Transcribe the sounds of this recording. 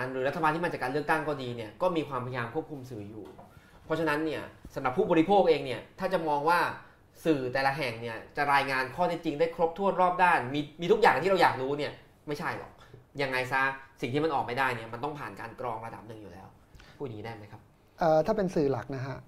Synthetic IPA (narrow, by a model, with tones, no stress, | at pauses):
nɾɯː˨˩˦ɾt̪ʰa˧baː˧t̪ʰiː˥˩a˧t͡ɕaː˨˩kaː˧lɯ˥˩ək̚t̪a˥˩ŋkɔː˥˩diː˧ni˥˩ɐkɔː˥˩miː˧kʰwaː˧mpʰa˧ja˧jaː˧mkʰu˥˩əp̚kʰu˧msɯː˨˩˦jṵː˨˩ | pʰɾɔ˦˥t͡ɕʰa˧na˦˥nːi˥˩ɐsa˨˦mɾa˨˩pʰːuː˥˩bɔː˧ɾi˦˥pʰoː˥˩k̚ʔeː˧ŋni˥˩ɐt̪ʰaː˥˩t͡ɕa˨˩mɔː˧ŋwaː˥˩ | sɯː˨˩t̪ɛː˨˩la˦˥ɦɛ˨˩ŋni˥˩ɐt͡ɕa˨˩ɾaː˧jŋaː˧nkʰɔː˥˩t̪ʰɛ˥˩t͡ɕi˧ŋdaː˥˩jkʰɾo˦˥p̚t̪ʰu˥˩ənɾɔː˥˩p̚daː˥˩nmiː˧miː˧˦˥k̚jaː˨˩ŋa˨t̪ʰiː˥ɾa˧wjaː˨˩k̚ɾuː˦˥ni˥˩ɐə | ma˥˩jt͡ɕʰa˥˩jlɔ̰˨˩k̚ja˧ŋːa˧jsa˦˥si˨˩ŋt̪iː˥˩ma˧nʔɔː˨˩k̚ma˥˩jdaː˥˩jni˥˩ɐma˧nt̪ɔ˥˩ŋpʰaː˨˩nkaː˧nkɾɔː˧ŋɾa˧da̰˨˩p̚nɯ˨˩ŋjuː˨˩lɛː˦˥w | pʰuː˥˩niː˦˥daː˥˩ma˦˥jkʰa˦˥p̚ | ʔəː˨˩t̪ʰaː˥˩pe˧nsɯː˨˩la˨˩k̚na˦˥kʰa˦˥ʔ